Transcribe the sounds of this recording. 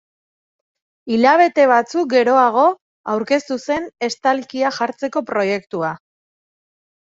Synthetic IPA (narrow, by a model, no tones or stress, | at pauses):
iʎaβ̞e̞t̪e̞β̞at͡suk̚ɡe̞ɾo̞aɣ̞o̞ | awɾke̞st̪use̞ne̞st̪alkiaxaɾt͡se̞ko̞pɾo̞je̞kt̪ua